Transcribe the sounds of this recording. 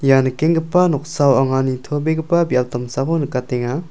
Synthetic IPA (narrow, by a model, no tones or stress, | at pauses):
janɐkeŋɡəpanɔk̚sawaŋanitʰobeɡəpabijawtɐmsabonɯkateŋa